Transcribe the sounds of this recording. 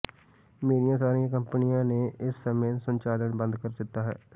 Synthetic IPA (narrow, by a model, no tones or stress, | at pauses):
meːɾijãːsaːɾiãːkəmpənɪjãːneːɪsːəmẽːsənt͡ʃaːləɳbə̃nd̪kəɾd̪ɪt̪ːaːɦɛ̰ː